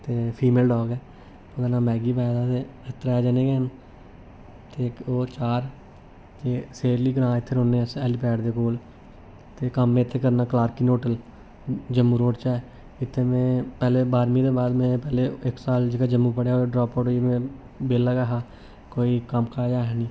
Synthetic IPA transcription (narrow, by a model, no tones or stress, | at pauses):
t̪eːpʰiːmeːlɖɔːɡɛː | oɡənãːmɛːɡiːpɛːd̪aːt̪eːɪt̪ːɾɛːd͡ʒaːneːɡeːɦən | t̪eːoːɾt͡ʃaːɾ | t̪eːseːɾliːɡəɾãːɪt̪ʰːeːɾõːnẽːsɛːlipɛːɖd̪eːkoːl | t̪eːkəmːẽɪt̪ʰːeːkəɾnaːklaːɾkiːnoːʈəl | d͡ʒəmːũːɾoːɖt͡ʃaːɛ | ɪt̪ʰːeːmẽːpɛːleːbaːɾmĩːd̪eːbaːd̪mẽːpɛːleːɪksaːld͡ʒeːɡaːd͡ʒəmːũːp̬əɽjaːoɖɾɔːpoːʈimẽː | beːlaːkaːɦaː | koːiːkəmkaːd͡ʒaːɦɛːnĩː